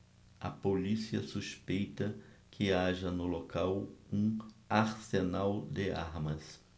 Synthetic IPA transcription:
ɐpolisiɐsuspejt̪ɐkʰɪaʒɐnʊlokawũaɾsenawd̪ɪa̰ɾmɐs

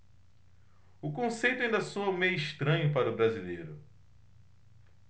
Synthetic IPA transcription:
ʊkõsejt̪ʊaɐĩnd̪ɐsoɐmejiʃt̪ɾɐ̃ɲʊpaɾʊbɾazilejɾʊ

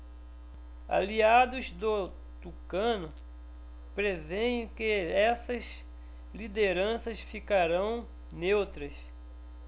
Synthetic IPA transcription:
a̰liad̪ʊzd̪o | t̪ukɐ̃nʊ | pɾevẽj̃kɪɛsɐz | lid̪eɾɐ̃sɐsfikaɾɐ̃w̃ | newt̪ɾɐs

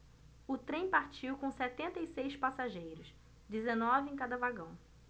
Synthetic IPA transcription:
ʊt̪ɾẽj̃paɾt͡ʃiwkõw̃sɛt̪ẽnt̪ɐisejspasaʒejɾʊs | d͡ʒezenɔvɪẽj̃kad̪ɐvaɡɐ̃w̃

